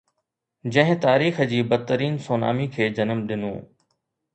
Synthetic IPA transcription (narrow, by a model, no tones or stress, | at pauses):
d͡ʑɐ̃ɦɪ̃t̪aːɾiːxəd͡ʑiːbɐd̪̚t̪əɾiːnsoːna̰ːmikʰeːd͡ʑɐnəmɗɪnṵ̃ː